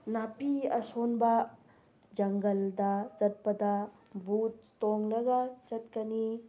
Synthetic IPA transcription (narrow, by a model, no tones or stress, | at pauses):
napiɐ̰sonbɐ | d͡ʒɐŋɡɐldɐt͡ʃɐt̚pɐdɐ | but̚ːoŋlɐɡɐt͡ʃɐt̚kɐni